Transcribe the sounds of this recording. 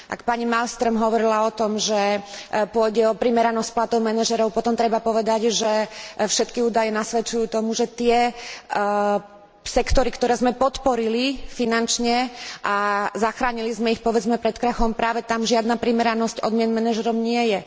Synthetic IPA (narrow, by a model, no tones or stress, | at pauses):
ʔa̰kpaɲimalst̪ɾɔmɦɔʋɔɾilaɔt̪ɔmʒɛpʊɔɟɛɔpɾimɛɾanɔsc̚plat̪ɔʊmɛnaʒɛɾɔʊpɔt̪ɔmt̪ɾɛbapɔʋɛd̪aɟʒɛfʃɛt̪kiuːd̪ajɛnasʋɛt͡ʃujuːt̪ɔmuʒɛt̪ɪɛ | sɛkt̪ɔɾikt̪ɔɾɛːzmɛpɔt̪pɔɾilifinant͡ʃɲɛʔazaxɾaːɲilizmɛixpɔʋɛd͡zmɛpɾɛt̪kɾaxɔmpɾʔaːʋɛt̪amʒɪad̪napɾimɛɾanɔscɔ̰d̪mɪɛnmɛnaʒɛɾɔʊɲɪɛjɛ